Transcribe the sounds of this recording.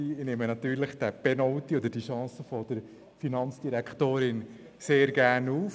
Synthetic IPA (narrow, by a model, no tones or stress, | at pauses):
inemənɑt̪yːɾləχd̥æb̥ɛnɔʊt̪iod̪əɾd̥iʃɑ̃ːsəfɔd̥əɾ | finɑnt͡sd̥iɾɛkχtoːɾɪn | seːɾɡæːɾnuːf